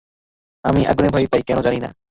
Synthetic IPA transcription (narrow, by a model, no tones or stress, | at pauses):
amiʔa̰ɡunebʱɔjpajkɛñɔd͡ʒanina̰